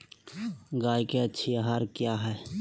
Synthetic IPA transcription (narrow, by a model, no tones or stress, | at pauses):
ɡaːjkeətːʃʰiaɦaɾkjaɦɛː